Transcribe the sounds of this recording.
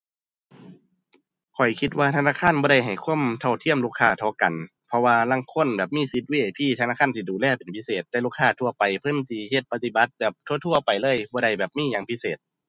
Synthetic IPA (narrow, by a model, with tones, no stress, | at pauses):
kʰɔ˨˩jkʰi˧t̪̬̚waː˧t̪ʰa˧naː˧˥˨kʰaː˧˥˨nbɔː˧ɾa˧˩jɦa˨˩jkʰu˧˥˨mt̪ʰa˧˩wt̪ʰi˧˩əmlu˧˩kʰːaː˧˩t̪ʰɔ˧˦ka˨n | pʰɔ˧waː˧la˧˥˨ŋkʰo˧˥˨nbɛː˨˩p̚miː˧˥˨si˧˦t̪̚wiː˧˩˨ʔa˨˩jpʰiː˧˨t̪ʰa˧naː˧˥˨ka˧˥˨nsi˧˩duː˨˩lɛː˧˩pe˨npʰi˧˥seː˨˩t̪ːɛː˧luː˧˩kʰːaː˧˩t̪ʰu˧ɐpa˨˩jpʰɤ˧˥˨nsi˧˦he˧˦t̪̚pa˧t̪i˧ba˧˦t̪̚bɛː˨˩p̚t̪ʰu˧˨t̪ʰu˧˩ɐpa˨˩jlɤː˧˥˨jbɔː˧˦ɾa˧˩jbɛː˨˩p̚miː˧˥˨jaː˧˦ŋpʰi˧˥seː˨˩t̪̚